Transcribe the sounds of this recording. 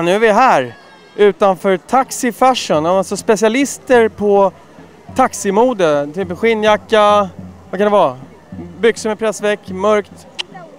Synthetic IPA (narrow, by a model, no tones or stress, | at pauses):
nʉ̟vɪɦæːɾ | ʔʉ̟ːt̪anfœːɾt̪ʰaksɪfæʂʊnaasɔspɛsɪalɪst̪əɾpʰɔ | t̪ʰaksɪmuːd̪ət̪ʰyːpɧɪnːjakːavakʰanɛvɑː | bʏksəmɛpʰɾɛsvɛkːmœɾkt̪